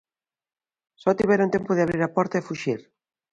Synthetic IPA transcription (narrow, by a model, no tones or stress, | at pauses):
sɔt̪iβɛɾunt̪ɛmpʊðeɪaβɾiɾapɔɾt̪aefuʃiɾ